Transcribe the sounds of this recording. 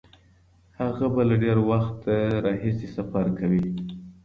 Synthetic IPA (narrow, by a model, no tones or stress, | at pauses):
haɣabalaɖeɾwaxt̪ɾɑɦisesafaɾkawi